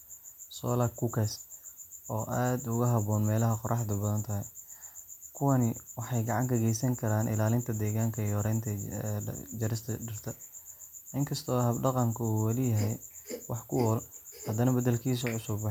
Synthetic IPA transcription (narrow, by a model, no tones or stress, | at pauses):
sɔ̰ːlɐkʰʊkʰɛs | ɔːʔaːd̪ʊɣɐɦɐβɔːnmɛːlɐɦɐqɔrɑħd̪ʊbɐðɐnt̪ʰɐɦɛj | kʰʊwɐnɪwɑħɑjɡɑʕɑŋkʰɐɡɛjsɐŋkʰɐɾaːnʔɪ̰laːlɪnt̪ʰɐd̪ɛːɣaːŋkʰɐjɔːɾɛjnt̪ʰɐ | d͡ʒɐɾɪst̪ʰɐɖɪrt̪ʰɐ | ʔɪŋkʰɐst̪ʰɔːhɐbɖɑqɑŋkʰɐuːwɐlɪjɐɦɛjwɑħkʰʊwɔːlhɐd̪ɐnɐbɐðɐlkʰiːs̬ɔʕʊsʊbː